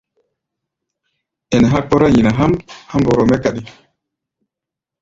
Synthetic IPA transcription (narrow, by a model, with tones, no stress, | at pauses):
ɛ˨nɛ˨ɦa˦k͡pɔ˦ɾa˦ji˨na˨ɦa˦mha˦mbɔ˨ɾɔ˨mɛ˦ka˨ɗi˨